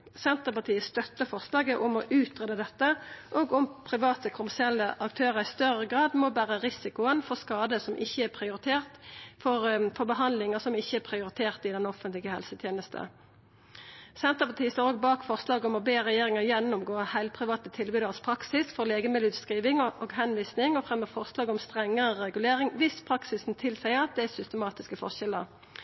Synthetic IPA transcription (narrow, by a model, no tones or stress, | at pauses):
sɛnt̪əpɑt̪ʰiːəst̪œt̪ːəfɔʁslɑːɡəʔʊmɔʔʉːt̪ʁeːd̪əd̪ɛt̪ːəʔɔːɡʊmpʰɾɪʋɑːt̪əkʰʊmæsɪɛlːəʔɑk̚t̪ʰøːʁəɾɪst̪œʁəɡʁɑːd̪mɔbæːʁəʁɪsɪkʊənfɔʁskɑːd̪əsɔmʔɪçːəæʁpʰʁɪʊɾɪt̪ʰeːʁt̪fɔʁfɔʁbəɦɑnd̪lɪŋəsɔmɪçːəæʁpʰɾɪʊɾɪt̪ʰeːʁt̪ɪd̪ɛnɔfənt̪lɪɡəhɛ̰lsət̪ʰjeːnəst̪ə̰ | sɛnt̪ɑpɑt̪ʰiːst̪oːɾoːɡ̚bɑːkfɔʁslɑːɡɔmɔbeːʁɛjeːʁɪŋɑjɛnːʊmɡoːəhæɪlpʰʁɪʋɑːt̪ət̪ʰɪlbiːd̪ɑʁspʰɾɑksɪsfɔʁleːɡəmɪlʉd̪skʁiːʋɪŋoːɡɦɛnʋiːsnɪŋɔfɾɛmːəfɔʁslɑːɡɔmst̪ʁɛŋːəʁəʁɛɡʉleːʁɪŋʋɪspʰʁɑksɪsn̩t̪ʰɪlsæɪəʁɑt̪̚d̪ɛæsʏst̪əmɑːt̪ɪskəfɔ̰ʁʃɛlə̰ʁ